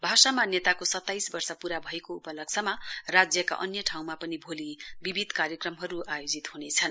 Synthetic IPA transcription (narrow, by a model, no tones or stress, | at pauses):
bʱasamanet̪akosʌt̪ːajsbʌrsʌpuɾabʱʌekoupʌlʌksʰʌmarad͡zjʌka̰ʔʌnjʌʈʰaw̃mapʌnibʱolibibʱid̪ʱkaɾjʌkrʌmɦʌɾuʔajod͡zit̪hunet͡sʰʌn